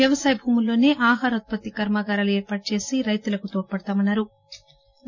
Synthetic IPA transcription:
jɐʋɐsaːjɐbʱuːmulːo̞ːne̞ːʔaːɦaːɾɐt̪̚pɐt̪ːikɐɾmaːɡaːɾaːlueːɾpaːʈ̚t͡ʃe̞ːsiɾɐjt̪ulɐkut̪oːʈ̚pɐɽt̪aːmɐnːaːɾu

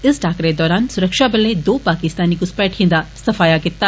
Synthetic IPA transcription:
ɪsʈaːkɾed̪ɔːɾaːnsʊɾɐkʃaːbɐlːed̪oːpaːkɪst̪aːniɡuspeːʈɦind̪ɐsɐfaːjaːɡit̪ːa

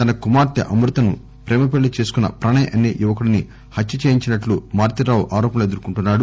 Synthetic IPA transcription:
t̪ɐnɐkumaːɾt̪iʔɐmɾut̪ɐnu | pɾɛːmɐp̬eɭːit͡ʃe̞ːsu̥kunːɐ̰pɾɐɳɐjʔɐnːijuʋɐkuɽini | hɐtːjɐt͡ʃeːjiɲt͡ʃinɐʈlumaːɾt̪iɾaːwuʔaːɾɔːpɐnɐed̪uɾkuɳʈunːaːɽu

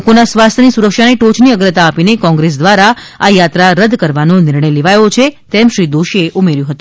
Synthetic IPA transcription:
konasʋast̪ʰjənisuɾəkʃaneʈot͡ʃniəɡɾət̪aːpinekɔ̃ŋɡɾes̬d̪ʋaɾa | ajat̪ɾaɾəd̪ʱkəɾʋanonɪɾɳəjleʋajot͡ʃʰet̪ɛmʃɾid̪oʃieʔumeɾjũɦət̪ũ

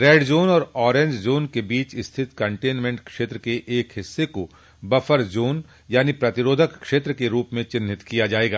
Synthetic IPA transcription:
ɾɛːɖd͡ʒoːnɔːɾɔːɾẽɲd͡ʒd͡ʒoːnkebiːt͡ʃɪst̪ʰɪt̪kɐ̃ɳʈeːnmẽɳʈkʃeːt̪ɾəkeʔeːkɦɪsːeko | bɐfʰəɾd͡ʒoːn | jaːnipɾɐt̪ɪɾoːd̪ʱəkːʃeːt̪ɾəkeɾuːpmẽt͡ʃɪ̃nʱɪt̪kijad͡ʒaːeːɡaː

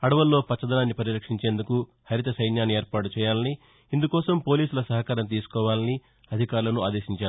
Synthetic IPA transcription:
ɐɽɐʋɐlːo̞ːpɐt͡ʃːɐd̪ɐnaːnːipɐɾiɾɐkʂiɲt͡ʃe̞ːnd̪uku | hɐɾiɐt̪ɐsɐjnjaːnieːɾpaːʈut͡ʃɛːjaːlɐni | ind̪ukɔːsɐmpo̞ːliːsulɐsɐɦɐkaːɾɐmt̪̬iːsu̥kɔːʋaːlɐni | ɐd̪ʱikaːɾulɐnuaːd̪e̞ːʃiɲt͡ʃaːu

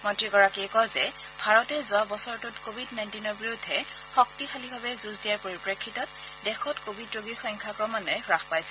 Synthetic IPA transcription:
mɔntɹiɡɔɹakiɛkɔzɛ | bʱaɹɔtɛzʊabɔsɔɹtʊtkobʱidnajntinɔɹbiɹudʱɛ | xɔk̚tixʰalibʱabɛzuzdijaɹpoɹipɹekʰːitɔt̚ | dɛxɔtkobʱidɹoɡiɹxɔjŋkʰakɹɔmanɔjɹaxpajsɛ̥

